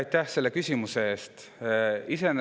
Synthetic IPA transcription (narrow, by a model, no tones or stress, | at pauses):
jt̪ːˑæhse̞lːe̞kysʲimusee̞ːst̪ | ise̞n